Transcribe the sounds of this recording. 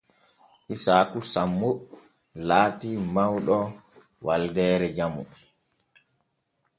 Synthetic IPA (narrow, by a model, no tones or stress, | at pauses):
ʔisaːkusamːu | laːtimawɗɔ | waldɛːɾɛd͡ʒamṵ